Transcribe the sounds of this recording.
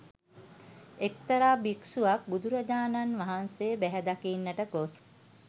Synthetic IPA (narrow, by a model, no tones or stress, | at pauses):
ek̚t̪əɾaːbiksuʋak̚bud̪uɾɐd͡ʒaːnanʋaɦansebæɦɛd̪akinːəʈəkos